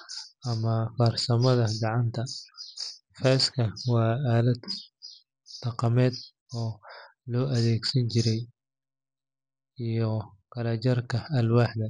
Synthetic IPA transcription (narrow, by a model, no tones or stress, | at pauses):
ɐmɐfɐrsɐmɐðɐɡɑʕɑnt̪ʰɐ | fɛːskʰɐwɑːaːlɐd̪ | d̪̥ɑqɑmɛːd̪ | ɔː | lɔːʔɐðɛːɡsɐnt͡ʃʰɪɾɛj | ijɔ | kɐlɐt͡ʃɐrkʰɐɐlwɑːħd̪ɐ